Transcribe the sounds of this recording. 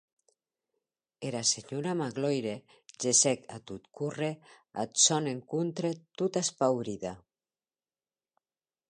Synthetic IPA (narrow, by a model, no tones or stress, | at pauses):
eɾaseɲuɾamaɣlojɾe | d͡ʒesɛkat̪ut̪kurea̰t̪sɔneŋkunt̪ɾet̪ut̪aspawɾiða